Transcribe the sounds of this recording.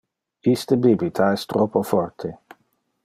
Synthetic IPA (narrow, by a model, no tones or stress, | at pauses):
ist̪əbibit̪ʰaɛst̪ɾɔpofɔrt̪ʰe